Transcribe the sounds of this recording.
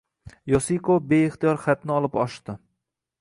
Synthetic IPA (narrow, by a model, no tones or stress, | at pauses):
josikʰobe̞ɪχt̪ijɒɾχat̪nɪɒlˠɪpɒʃt̪ɪ